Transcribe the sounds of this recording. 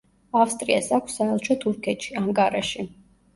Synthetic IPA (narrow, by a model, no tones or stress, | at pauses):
afst̪ʼɾiasakʷʰsːaɛlˠʃɔt̪ʰuɾkʰɛt̪ʃiaŋkʼaɾaʃi